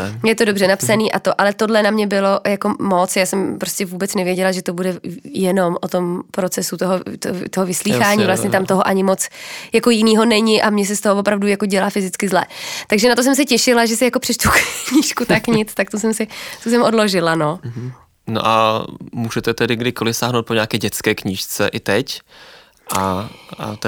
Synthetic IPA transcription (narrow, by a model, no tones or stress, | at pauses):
jɛt̪odo̞brɛnapsaniːʔat̪o̞ʔalɛt̪odlɛnamɲɛbɪlo̞jako̞mo̞t͡sjaːsɛmpɾoscɛvuːbɛt͡snɛvjɛɟɛlaʒɛt̪obudɛjɛno̞mʔot̪o̞mpɾot͡sɛsut̪oɦot̪ot̪oɦovɪsliːxaːɲiːvlast̪ɲɛt̪amt̪oɦoʔaɲɪmo̞t͡sjako̞jɪniːɦo̞nɛɲɪʔamɲɛs̬ɛst̪oɦovopɾavdujakoɟɛlaːfɪzɪt͡skɪzlɛ̰ːt̪aɡʒɛnat̪o̞s̬ɛms̬ɛcɛʃɪlaʒɛsɪjako̞pr̥ɛt͡ʃt̪ukkɲiʃkut̪akɲɪt͡st̪akt̪os̬ɛmsɪt̪us̬ɛmʔo̞dlo̞ʒɪlano̞ | no̰ʔamuːʒɛt̪ɛt̪ɛdɪɡdɪkolɪfsaːɦnowt̪̚poɲaːkɛːɟɛt͡skɛːkɲiːʃt͡sɛ̰ʔɪt̪ɛc | ʔaa̰t̪